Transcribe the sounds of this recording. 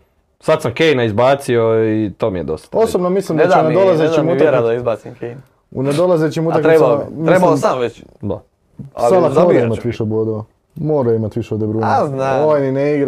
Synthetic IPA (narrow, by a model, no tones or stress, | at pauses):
sad̪samkejnaizbaːt̪sioit̪oːmijed̪o̰st̪ḁosobnomislimd̪t͡ʃuned̪olazet͡ʃimuaadizbasimken | ṵned̪olazet͡ɕimut̪ak̪ɾebmebalamʋet͡ʃd̪a̰ | lˠakmoɾɾimat̪ʋiʃeboːd̪oʋa | moːɾaimat̪ʋiʃeod̪ebɾuːnaaoʋajnineiɡɾa